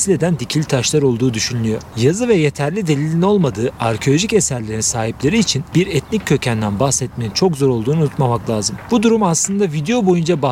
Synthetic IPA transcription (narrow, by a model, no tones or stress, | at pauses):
slʲe̞d̪ænd̪icʰilʲt̪ʰaʃlˠaɾo̞lˠd̪uːd̪yʃynlʲyjo̞ɾjazɯvɛje̞t̪ʰæɾlʲid̪e̞lʲilʲino̞lˠmad̪ɯːaɾcʰo̞lʲo̞ʒice̞sæɾlʲe̞ɾinsaːɦiplʲe̞ɾiːt͡ʃʰinbiɾɛt̪nicʰːø̞cʰænd̪ænbahsɛt̪̚me̞nint͡ʃʰo̞kzo̞ɾo̞lˠd̪uːnunut̪mamaklˠʲaːzɯmbud̪uɾumaslˠɯnd̪avid̪e̞jo̞bo̞jund͡ʒaba